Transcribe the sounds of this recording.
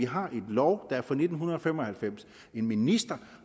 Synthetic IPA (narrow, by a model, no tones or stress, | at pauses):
iɦɑ̈ʔe̝d̥lɒʊd̥ɑ̈æɐfɒ̽ne̝d̥n̩ɦunɐɒ̽femɒ̽hælfem̰s | e̝nminisd̥ɐ